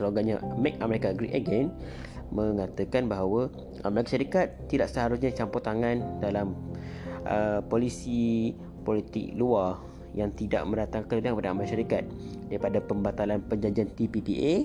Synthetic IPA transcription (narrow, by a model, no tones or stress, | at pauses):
səloɡaɲamɛk̚əməɾekaɡɾik̚əɡɛn | mə̃ŋat̪əkanbaɦawə | ʔaməɾakaʃaɾikat̪ːidaʔsəɦaɾusɲãt͡ʃampɔt̪aŋãndalam | ʔəpolisi | polit̪ɪ̰k̚luar | jaŋt̪ida̰ʔmə̃ɾat̪aŋkələdaŋkəpadaamakʃaɾikat̪̚daɾipadapəmbat̪alanpəɲd͡ʒaɲd͡ʒiant̪ipipiʔe